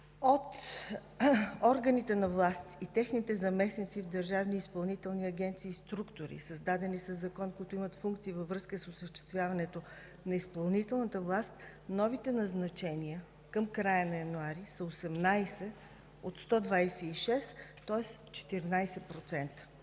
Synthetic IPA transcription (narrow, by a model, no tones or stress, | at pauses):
ot̪ | ɔɾɡənit̪ɛnɐvlˠast̪it̪ɛxnit̪ɛzɐmɛsnit̪sivd̪ɐɾʒavniːspɐlˠnit̪ɛlˠniɐɡʲɛnt̪siːst̪ɾukt̪oɾḭsəzd̪ad̪ɛnisəzːɐkɔnkoit̪oimət̪fuŋkt̪siːvəvɾɤskəsosəʃt̪ɛ̥st̪vʲjavɐnɛt̪o | nɐispɐlˠnit̪ɛlˠnət̪əvlˠast̪ | nɔvit̪ɛnɐznɐt͡ʃɛnijə | kəmkɾajənɐjɐnuaɾisəosɛmnajsɛ | ot̪st̪ɔd̪vajsɛiʃɛst̪ɔɛs | t͡ʃɛ̥t̪iɾnajsɛpɾot̪sɛnt̪ə̥